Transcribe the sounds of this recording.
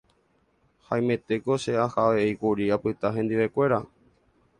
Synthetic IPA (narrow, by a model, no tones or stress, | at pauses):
haj̃mẽ̞t̪e̞ko̞ʃe̞ahaʋeejkuɾiapɨt̪aɦẽ̞nd̪iʋe̞kʷe̞ɾa